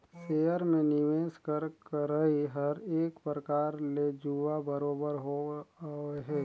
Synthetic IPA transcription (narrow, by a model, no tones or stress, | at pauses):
seːjəɾmẽnɪʋeːskəɾkəɾəiɦəɾeːkpɾəkaːɾled͡ʒuʋabəɾoːbəɾɦo | ɦɛː